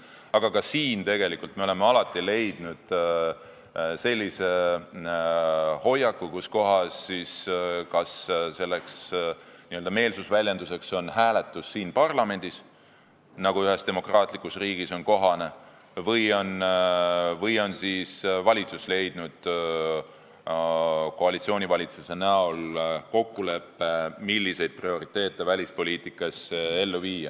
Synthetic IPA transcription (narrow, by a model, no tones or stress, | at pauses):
ɑɡ̥ɑkɑsiːnt̪e̞ɡe̞likːult̪me̞o̞le̞meɑlɑt̪ːˑile̞jd̪̥nud̪̥ | se̞lʲːise̞ | ho̞jɑkːukusko̞ɦɑsːiskɑsse̞lːeksniøld̪ɑme̞ːlsusvælʲjend̪use̞kso̞nhæːle̞t̪ːˑusːiːnpɑrlɑme̞nʲd̪̥is | nɑɡ̥uyɦe̞st̪e̞mo̞krɑːt̪ˑlikˑːusriːɡ̥iso̞nko̞ɦɑne̞ | vɤjo̞n | vɤjo̞nsiːsvɑlʲit̪susle̞jd̪̥nud̪̥ | ko̞ɑlit̪sio̞ːnivɑlʲit̪susenæolko̞kːule̞pːe̞milʲːise̞jd̪̥̚prio̞ɾit̪ːe̞ːt̪ːˑe̞vælʲispo̞lʲiːt̪ˑikːˑɑse̞lːuviːɑ